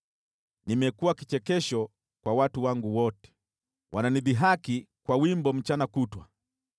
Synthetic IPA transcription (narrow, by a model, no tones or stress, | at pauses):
nimɛkuwakit͡ʃɛkɛʃɔ | kwawatuwaŋɡuwɔtɛ̥ | wʔananiðiɦakikwawimbɔm̩t͡ʃanakutwa